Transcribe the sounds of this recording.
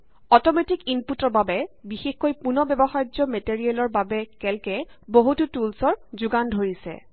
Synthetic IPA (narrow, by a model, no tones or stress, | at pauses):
ɔtɔmetikinputɔɹbabɛbixexkojpunɔbɛbɔxajd͡ʒɔmetiɹiɛlɔɹbabɛkɛlkɛboɦututulsɔɹzʊɡandʱoɹisɛ̰